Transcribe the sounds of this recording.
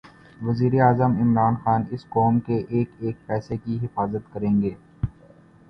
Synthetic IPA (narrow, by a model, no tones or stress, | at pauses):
ʋɐziːɾeaːzəmɪmɾaːnxaːnɪskɔːmkeʔeːkeːk̚pɛːsekiɦɪfaːzət̪kɐɾẽːŋɡeː